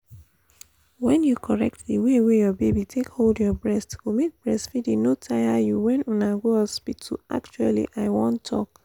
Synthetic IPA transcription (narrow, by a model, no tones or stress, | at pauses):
wɛ̃njukʰɔɹɛ̰k̚tðiwewejɔbebitʰekholdjɔbɹɛstɡomet̚b̥ɹɛstfidĩnotʰajajuwɛ̃nunaɡoaspitʰːṵa̰k̚t͡ʃualḭʔaɪwɔ̃ntʰːɔ̰k